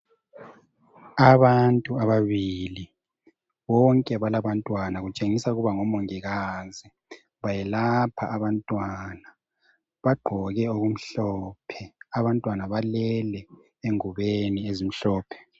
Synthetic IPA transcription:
aβantʼuaβaβili | βɔŋkʼɛβalaβantʼwanaɣut͡ʃʼeŋisauɣuβaŋɔmoŋiɣazi | βajɛlapʰaʔaβantʼwana | βaɡ͡ǃʱɔɣɛoɣum̩ɬɔpʰɛaβantʼwanaβalɛlɛ | eŋuβeniezim̩ɬɔːpʰɛ̥

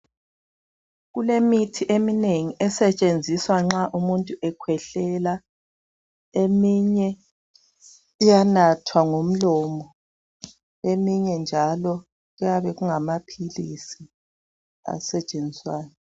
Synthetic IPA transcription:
ɣulemitʰiʔemineŋiʔɛsɛt͡ʃʼend͡zʱiswaŋ͡ǁaʔumuntʼuʔɛkʰwɛɬɛla | emiɲɛ | ijanatʰwaŋom̩lɔmɔ | emiɲɛnd͡ʒʱalɔ | ɣujaβɛɣuŋamapʰilisi | a̰sɛt͡ʃʼend͡zʱiswaːjɔ

